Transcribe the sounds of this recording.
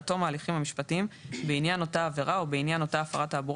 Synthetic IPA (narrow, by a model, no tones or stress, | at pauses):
to̞maːliχimhamiʃpatiimbeinjano̞taːve̞ʁao̞beinjano̞taːfa̰ʁataːbuʁ